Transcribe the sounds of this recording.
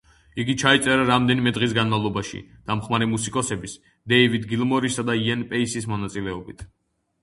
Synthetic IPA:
iɡit͡ʃʰait̪sʼɛɾaɾamd̪ɛnimɛd̪ʁis̬ɡanmalˠɔbaʃḭd̪̥amχmaɾɛmusikʼɔsɛbis | d̪ɛivid̪ɡilˠmɔɾisad̪aiɛnpʼɛisismɔnat̪sʼilɛɔbit̪ʰ

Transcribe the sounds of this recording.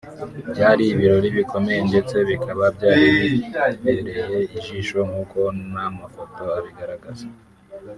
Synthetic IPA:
bjaːɾiβiɾo̞ɾiβikʰo̞me̞je̞nde̞t͡se̞βikaβabɟaːɾiiβeɾe̞je̞iʒiːʃo̞ŋhuːko̞namafo̞to̞aβiɡaɾaɡaza

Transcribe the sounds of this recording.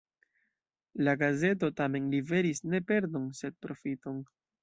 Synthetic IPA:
laɡaze̞t̬o̞tame̞nlive̞ɾisne̞pe̞ɾdo̞nse̞d̚pɾo̞fito̞n

